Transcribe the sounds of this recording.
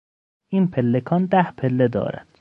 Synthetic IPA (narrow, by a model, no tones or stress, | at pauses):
ʔiːnpʰelːekʰɒːnd̪æhpʰe̞lːed̪ɒ̰ːɾæ̰nd̪̥